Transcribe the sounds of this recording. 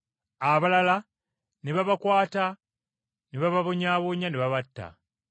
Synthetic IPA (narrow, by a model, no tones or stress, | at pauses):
aβalala | niβaβakwaːta | niβaβaβoɲaːβoɲaniβaβatːa̰